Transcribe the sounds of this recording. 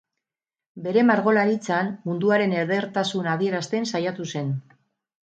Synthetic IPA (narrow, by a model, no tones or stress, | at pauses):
be̞ɾe̞maɾɣo̞laɾit͡sanmund̪uaɾe̞ne̞ɾðe̞ɾt̪asunað̞ie̞ɾast̪ensajat̪use̞n